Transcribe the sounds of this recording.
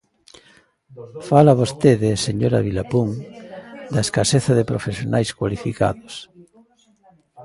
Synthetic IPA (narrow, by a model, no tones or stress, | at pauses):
falaβost̪eðɪseɲoɾa̰βilapuŋ | d̪ɐeskaseθɐðepɾofesjonʔajskwalifika̰ðos